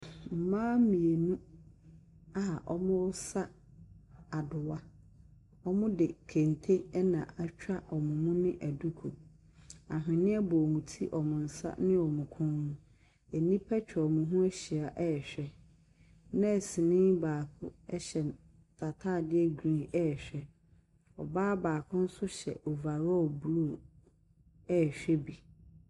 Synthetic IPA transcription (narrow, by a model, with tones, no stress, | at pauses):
m̩˨mãː˦mĩ˨e˨nũ˦ | a˨ʔɔ̰˦mʊ̃˦wʊ˦sa˦ | a˨dʊ˨wa˦ | ɔ˦mʊ̃˦dɪ˨kʰẽ˨ntʰe˦ɛ˦nã˨ʔa˦t͡ɕᶣa˦ʔɔ˨mʊ̃˨mũ˦nɪ̃˦ʔæ˨du˦kʰo˨ | a˨ɦɪ̃˨nɪ̃˦ɛ˦bɔ˨ŋũ˨tʰi˦ʔɔ˨mʊ̃˨n̩˨sa̰˦nɪ̃˦ɔ˨mʊ̃˨kʰʊ̃˦nnʊ̃˦ | ɛ˨nĩ˦pʰɛ˦t͡ɕᶣʰmʊ̃˨ɦũ˦æ˦ɕi˨a˨ʔɛ˦ɛ˨ɕᶣɛ˦ | nã˦˨sɪ̃˨nɪ̃˦baː˨kʰʊ˦ɛ˦ɕɛ˨ | tʰa˨tʰaː˦˨dɪ˦ɛ˦ɡɾĩ˦ɛ˦˨ɕᶣɛ˦ | ɔ̰˨baː˦baː˨kʰʊ̃˦n̩˦sʊ˦ɕɛ̰˨o˨va˨ɾɔ˦˨blu˦˨ | ɛ˦˨ɕᶣɛ˦bi˨